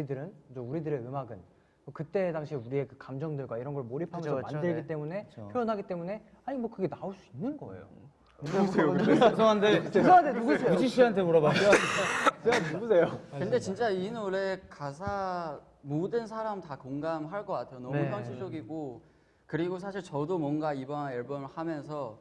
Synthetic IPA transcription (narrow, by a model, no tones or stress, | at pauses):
idɯɾɯnd͡ʑouɾidɯɾe̞ɯmaɡɯn | tokɯt͈e̞daŋɕʰiuɾie̞kɯkamd͡ʑʌŋdɯɭɡwaiɾʌnɡʌɭmoɾipʰamjsʰʌmandɯɭɡit͈e̞mune̞pjoʌnɦaɡit͈e̞mune̞ | aɲimwʌkɯɡe̞naoɭs͈uinːɯnɡʌ̰ḛjo̰ | sʰejosʌɦandekɯsʰʌɦandʰeuɡusʰeojid͡ʑiɕ͈ʰiɦantʰe̞moɾʌbad͡ʑo | eanumus̬ʰe̞jokɯnde̞t͡ɕint͡ɕ͈ainoɾe̞kas̬ʰa | modɯnsʰaɾamtakoŋɡamɦaɭk͈ʌk͈atʰejonʌmupʰʌŋɕʰid͡ʑʌɡiɡo | kɯɾiɡos̬ʰaɕʰiɭt͡ɕʌdomwʌnɡaibʌnanʌɭbʌmɭhamjʌns̬ʰʌ